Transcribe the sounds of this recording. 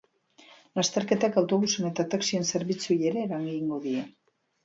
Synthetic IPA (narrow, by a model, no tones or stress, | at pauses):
last̪e̞ɾke̞t̪akawt̪o̞βuse̞ne̞t̪at̪aksie̞nse̞ɾβit͡sujie̞ɾe̞ːɾaŋɡiŋɡo̞ðie̞